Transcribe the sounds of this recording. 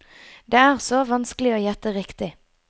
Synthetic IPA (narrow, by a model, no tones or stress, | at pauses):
d̪eːæːʁsoːʋɑnskəlɪoːjɛt̪əʁɪkt̪ɪ